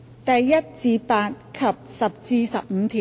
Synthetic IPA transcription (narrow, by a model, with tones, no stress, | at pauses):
t̪ɐ˨jːɐ˥t̚t͡siː˨˧paː˧t̚kʰɐ˨p̚sɐ˨p̚t͡siː˧sɐ˨p̚m̩˨˧t̪ʰiː˨